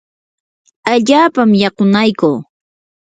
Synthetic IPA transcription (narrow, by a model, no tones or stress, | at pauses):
aʎaːpamjɑqʊnajkuː